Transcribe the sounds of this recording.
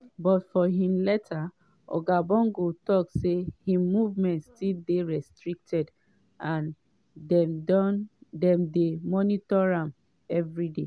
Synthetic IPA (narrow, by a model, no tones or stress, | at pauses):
bɔtfɔɦĩmlɛtʰa | ʔɔ̰ɡabɔ̃ŋɡotɔksehĩmuvmɛ̃ntstildeɹɛstɹik̚tʰɛd | ãn | dɛ̃mdemɔnitɔɹãm | ɛvɹide